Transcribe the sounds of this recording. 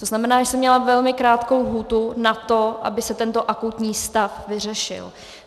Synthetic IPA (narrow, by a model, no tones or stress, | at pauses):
t̪oznamɛnaːʒɛsɛmːɲɛlavɛlmɪkɾaːt̪kowlɦuːt̪unat̪o̞ʔa̰bɪsɛt̪ɛnt̪o̞ʔakut̪ɲiːst̪afvɪr̝ɛʃɪ̰l